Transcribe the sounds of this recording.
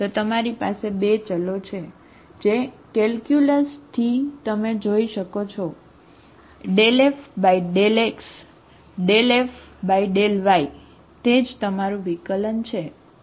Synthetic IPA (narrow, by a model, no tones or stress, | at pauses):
t̪ot̪əmaɾipasebet͡ʃəlot͡ʃʰe | d͡ʒe | kɛlkjuləst̪ʰit̪əmed͡ʒoiʃəkot͡ʃʰɔ | ɖelefbaiɖeleks | ɖelefbaiɖelʋai | t̪ed͡ʒt̪əmaɾũʋikələnt͡ʃʰe